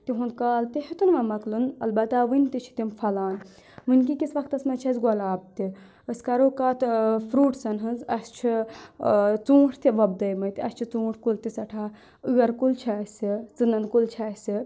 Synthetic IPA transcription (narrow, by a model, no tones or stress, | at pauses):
t̪iɦũnd̪kaːlt̪iɦit̪unʋɐmɐklunɐ̰lbɐt̪aʋɨnʲt̪it͡ʃʰi̥t̪imfʰɐlaːn | ʋɨnʲk̬ikisʋɐkt̪ɐsmɐt͡ʃʰɐsɡɔlaːb̚t̪i | əsʲkɐɾoːkaːt̪fʰɾuːʈsɐnɦɨnzɐst͡ʃʰi | t͡sũːʈʰt̪iʋɐb̚d̪ɐjmɐt̪iɐst͡ʃʰit͡sũːʈʰkult̪isɐʈʰaː | ɨɡɐɾkult͡ʃʰɐsʲit͡sɨnɐnkult͡ʃʰɐsʲi